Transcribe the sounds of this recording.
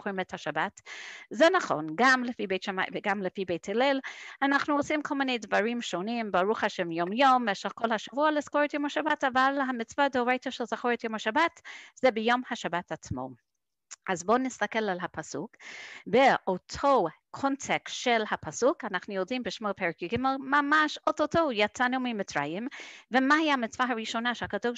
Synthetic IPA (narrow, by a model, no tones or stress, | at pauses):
χimɛthaʃabatzɛnaχo̰nɡamləfibejtʃama̰ɡamləfibejtʰelelanaχnuosimkʰolminejdvaɹimʃonimbaʁuχhaʃɛmjomjomɛʃaχkolhaʃavualiskoɹɛtjomhaʃabatavalɦamit͡svadovajtaʃelzaχoɹɛtjomhaʃabatz̥ɛbejomhaʃabatat͡smo̰ | ʔazbonɪstakelalɦapʰasṵkbeotʰo | kʰontʰɛkstʃelhapʰasukanaχnujodimbəʃmopʰɛɹekjuɡimelˠmamaʃototʰojat͡sanjomimɪt͡sɹa̰jɛmvemahihamɪt͡sv̥aɦaɹiʃonaʃəhakado